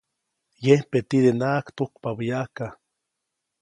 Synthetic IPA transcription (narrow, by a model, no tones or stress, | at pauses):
jehpet̪id̪enaːkt̪ukpaβijaka